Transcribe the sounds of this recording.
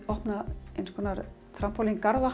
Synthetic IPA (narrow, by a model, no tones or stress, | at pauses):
ɔhpnaḛjnskvɔːnaɾ | θɾam̥pʰawlinkaɾða